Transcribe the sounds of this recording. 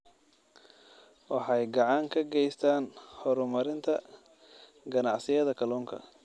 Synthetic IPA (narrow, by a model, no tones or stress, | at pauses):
wɑħɑjɡɑʕɑŋkʰɐɡɛjst̪ʰaːnhɔɾʊmɐɾɪnt̪ʰɐ | ɡɐnɑʕsɪjɐðɐkʰɐlɔːŋkʰɐ̰